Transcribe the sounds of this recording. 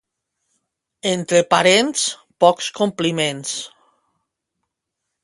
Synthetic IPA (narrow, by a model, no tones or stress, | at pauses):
ent̪ɾepaɾens | pɔkskomplimẽns